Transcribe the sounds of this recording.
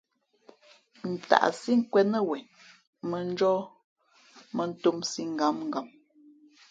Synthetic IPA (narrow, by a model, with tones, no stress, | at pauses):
n̩˨ta̰˨ʔsi˦ŋ̩˦kwɛ˦nə˦wɛ˨ | mə˨n̩˦d͡ʒɔ˦ | mə˨n̩˦tu˦msi˦ŋ̩˨ɡa˨˦mŋ̩˦˨ɡa˨m